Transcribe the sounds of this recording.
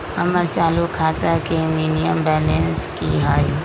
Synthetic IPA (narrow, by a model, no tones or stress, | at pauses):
ɐməɾt͡ʃaːlukʰaːt̪akemiːnijəmbɛːlənskiɦaːji